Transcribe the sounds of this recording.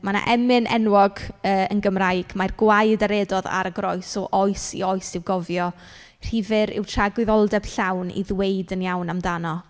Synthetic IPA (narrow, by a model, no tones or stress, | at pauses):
mana̰ʔɛmɨnʔɛ̰nwɔɡəːənɡəmrajɡ̥marɡwajdaɾɛːdɔða̰ɾəɡrɔjsɔʔɔjsḭɔjsɪvɡɔvjɔ | r̥ivɨɾɪ̰wtʰraɡwɪðɔlˠdɛb̥ɬawnḭðwejdənjawnamdanɔ